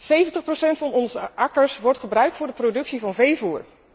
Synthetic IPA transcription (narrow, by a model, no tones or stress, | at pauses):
sejvəntəχprosɛntfɑnɔnzəʔɑkəɹsʋɔɹtχəbrœɥk̚tfʊːɹdəprodɵksivɑnvejvuːɹ